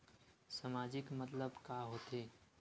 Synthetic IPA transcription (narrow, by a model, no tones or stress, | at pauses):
sɐmaːd͡ʒɪkmɐt̪ləbkaːɦoːt̪eː